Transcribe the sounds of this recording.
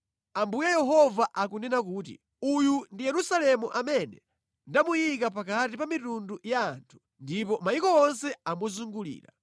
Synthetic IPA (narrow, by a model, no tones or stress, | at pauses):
ambujajɛɦɔvaʔakunɛnakuːt̬ḭ | ujundijɛɾusalɛmuʔamɛnɛ | ndamujik̬apakatipamitundujaːntʰu̥ | ndipɔmaikɔɔnsɛamɔzuŋɡulḭːɾa̰